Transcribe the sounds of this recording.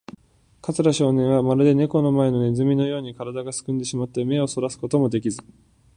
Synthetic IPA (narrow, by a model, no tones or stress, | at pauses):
kat͡sɨɾaɕo̞ːnẽɰ̃βamaɾɯ̟d̪e̞ne̞ko̞no̞mae̞no̞nezɨmʲino̞jo̞ːɲ̟ikaɾad̪aɡasɨ̥kɨ̃nd̪e̞ɕimat̪ːe̞me̞o̞so̞ɾasɨ̥ko̞t̪o̞mo̞d̪e̞kʲizɨ